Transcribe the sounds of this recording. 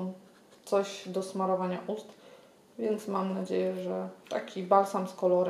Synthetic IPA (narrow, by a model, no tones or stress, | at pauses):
t̪sɔʑd̪ɔsmaɾɔvaɲaʔust̪ | vʲjɛnt̪smamnad͡ʑejɛʐɛt̪a̰kʲibalsamskɔlɔɾ